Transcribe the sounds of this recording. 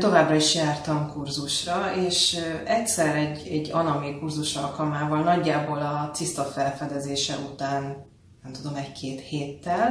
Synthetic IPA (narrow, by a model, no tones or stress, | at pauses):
t̪o̞vaːbrɒiʃjaːrt̪ɒmkurzuʃrɒeːʃɛcsɛɾɛɟːɛɟːɒnɒmikurzuʃɒlkɒlmaːvɒlnɒɟːaːboːlɒt̪sist̪ɒfɛlfɛd̪ɛzeːʃɛut̪aːn | nɛmt̪ud̪o̞mɛc̚kʰeːt̪heːt̪ːɛl